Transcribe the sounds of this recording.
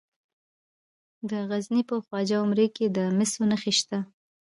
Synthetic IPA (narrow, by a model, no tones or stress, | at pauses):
d̪əɣaznipəxwɑd͡ʒaʊmɾeked̪əmɪsonəxeʃt̪a